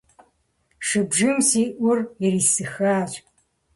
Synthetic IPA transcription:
ʂɨbʒɨmsiːʔʷʊrɛɾiːsɨxaːɕʼ

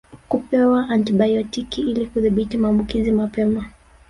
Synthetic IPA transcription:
kupɛwaʔantiɓajɔtikiilikuðiɓitimaːmbukizimapɛma

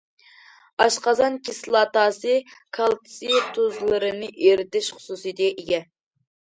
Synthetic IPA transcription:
ɑʃqɑzɑnkʲʰislˠɑt̪ɑːsɨkʰɑlˠt̪ʰɨ̥sɨt̪ʰozlˠɨɾɨnɨʔeɾt̪ɪʃχʊ̥susɨjd̪ʔeɡʲɛ

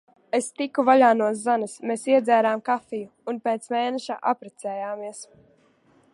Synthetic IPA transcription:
est̪ikuvaʎaːnuɔs̬zanɐsmeːsiɛd̪zʲæːɾaːmkafijuːnpeːt̪smeːnɛʃa̰ʔa̰pɾɛt̪sɛːjaːmiɛs

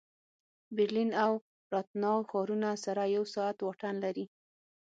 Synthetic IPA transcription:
bɪɾlinaw | ɾɑt̪̚nɑxɑɾunasaɾajawsɑat̪waʈanlaɾi

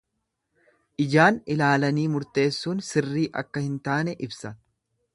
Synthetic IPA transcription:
ʔɪd͡ʒaːnɪlaːlɐniːmʊɾt̪e̞ːsːuːnsɪrːiːʔɐ̰kːɐhɪnt̪aːnɛʔɪbsɐn

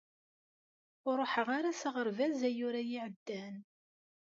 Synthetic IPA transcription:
ʊɾˤoħəʁaɾasəʁəɾvæzæjʊɾajiʕəd̪ːæn

